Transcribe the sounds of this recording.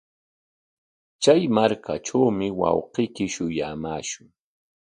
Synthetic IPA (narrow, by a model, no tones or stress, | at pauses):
t͡ʃajmaɾkʰaʈ͡ʂawmɪwɑ̰wqejkɪʃʊjaːmaːʃʊŋ